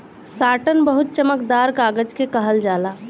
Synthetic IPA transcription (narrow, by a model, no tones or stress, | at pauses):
saːʈənbəɦut̪̚t͡ʃəməkd̪aɾkaːɡəd͡ʒkekəɦəld͡ʒaːla